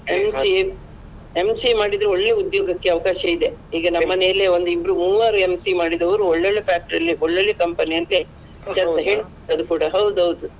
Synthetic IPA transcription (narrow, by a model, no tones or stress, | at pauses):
emsi | emsimaːɽid̪ɾeoɭːeud̪joːɡɐkːe̞ɐʋɐkaːʃɐid̪e̞iːɡɐnɐmːɐnejɐlːeo̞nd̪uibɾumuːʋaːɾuemsimaːɽid̪ɐʋɐɾuɔɭːeɭepʰaːk̚ʈɐɾɐlːiʔɔɭːɐɭekɐmpɐnijɐlːi | kɛsɐɦeɳ | ɐd̪ukuːɽɐɦɐwd̪ɐwd̪u